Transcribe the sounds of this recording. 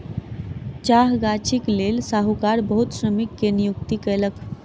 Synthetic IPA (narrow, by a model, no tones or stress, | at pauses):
t͡ʃaɦɡat͡ʃʰiklelsaɦukaɾbəɦut̪sɾəmikːenijukt̪ikələk